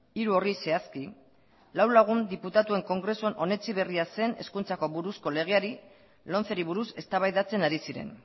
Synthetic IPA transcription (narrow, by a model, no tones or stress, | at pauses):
iɾuo̞rise̞aski | lawlaɣ̞und̪iput̪at̪ue̞ŋko̞ŋɡɾe̞suenʔo̞ne̞t͡siβ̞e̞riase̞ne̞̰skunt͡sako̞βuɾusko̞le̞ɣ̞e̞aɾi | lo̞nt͡seɾiβuɾuse̞st̪aβajðat͡se̞naɾisiɾe̞̰n